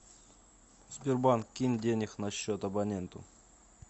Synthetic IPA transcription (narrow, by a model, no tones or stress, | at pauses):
sbʲɪrbankʲːinʲdʲenʲɪxnɐɕːot̪ɐbɐnʲent̪ʊ̰